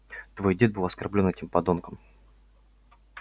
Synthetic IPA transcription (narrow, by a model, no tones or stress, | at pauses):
t̪vo̞jdʲe̞t̪̚bɨlˠɐskɐrblʲo̞nɛtʲimpɐd̪onkəm